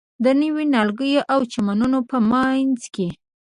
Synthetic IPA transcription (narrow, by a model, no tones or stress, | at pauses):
d̪ənəwinɑlɡəjoʔawt͡ʃamanunopəmanzke